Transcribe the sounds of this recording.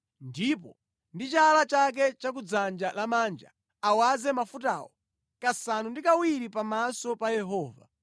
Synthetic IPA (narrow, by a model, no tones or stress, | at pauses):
ndipɔ | ndit͡ʃalat͡ʃak̬ɛt͡ʃak̬ud͡zand͡ʒalamaːnd͡ʒa̰ | awazɛmafuta̰ːwɔ | kasanundikawiɾipamasɔpajɛɦɔːva̰